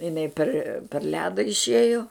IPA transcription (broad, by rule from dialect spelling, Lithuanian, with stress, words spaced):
ɪˈnɐɪ pʲɛr pʲɛr ˈlʲæːdɐ ɪʃʲˈeːjoː